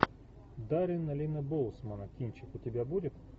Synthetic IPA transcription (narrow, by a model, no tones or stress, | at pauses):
d̪aɾʲɪnɐlʲinəbolˠsmənəkʲinʲt͡ɕɪkʊtʲɪbʲabudʲɪt̪